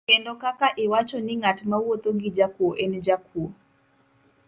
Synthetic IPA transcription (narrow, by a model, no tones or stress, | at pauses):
kɛndɔkakaʔiwat͡ʃɔniŋatmawwot̪oɡid͡ʒakuɔʔɛnɛd͡ʒakʰuɔ